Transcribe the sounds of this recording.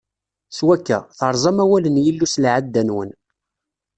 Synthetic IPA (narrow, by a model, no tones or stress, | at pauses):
swækːæ̰θəɾˤzˤɑmæwælənjəlːuslʕad̪ːænwə̰n